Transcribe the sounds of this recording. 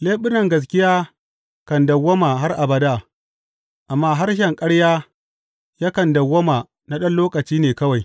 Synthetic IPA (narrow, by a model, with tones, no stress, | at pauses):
leː˦ɓɪ˦nɐ˨ŋɡɐ˨s̬kʲɪ˦jaː˦ | kɐ˨ndɐ˨wːɐ˦maː˨ɦa˦rʔa˨bɐ˨daː˦˨ | ʔa˨mːaː˦ɦa˦ɾʃɛ˨ŋkʼɐ˦ɽjaː˦ | ja˦kɐ˨ndɐ˨wːɐ˦ma˨ | na˦ɗɐ˦nloː˦kɐ˨t͡ʃiː˦neː˨kɐ˦wa˨j